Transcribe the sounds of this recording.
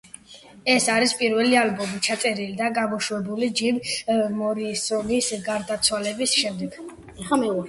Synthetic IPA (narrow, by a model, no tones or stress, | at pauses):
ɛsaɾispʼiɾvɛlialbɔmit͡ʃʰat̪sʼɛɾilid̪aɡamɔʃuɛbulid͡ʒivmɔɾisɔnisɡaɾd̪at̪sʰwalɛbisʃɛmd̪ɛɡ̥ | ɛ